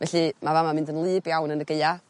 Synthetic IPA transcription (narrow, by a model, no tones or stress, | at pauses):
vɛɬimavamamɪndənlˠɨːbjawnənəɡeɨa